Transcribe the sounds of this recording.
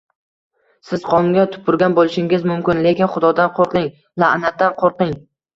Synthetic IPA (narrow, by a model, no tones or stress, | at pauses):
sɪz̥qʰɒlˠɪŋʲat̪ʰʊ̥pʰʊɾɡʲanbolˠɪʃɪŋɪzmʊmkʲɪnle̞kʲɪnχʊd̪ɒd̪anqʰoɾqˠɪŋ | laʔnat̪̚ʰːanqʰoɾqɪŋ